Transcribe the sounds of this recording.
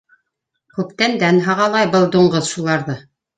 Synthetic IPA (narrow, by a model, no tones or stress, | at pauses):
kʉpt̪ænd̪ænɦɑʁɑlˠɑjbɤlˠd̪uɴɢɤðʃulˠɑɾðɤ